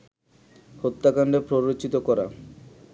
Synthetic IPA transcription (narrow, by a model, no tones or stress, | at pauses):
hot̪ːakaɳɖepɾobɾotːɕit̪okɔɾa̰